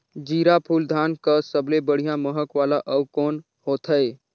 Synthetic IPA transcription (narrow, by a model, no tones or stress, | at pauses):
d͡ʒiɾapʰuld̪ʱankəsəblebəɽ̤ijãməɦəkʋalaʔəwkon | hot̪ʰəj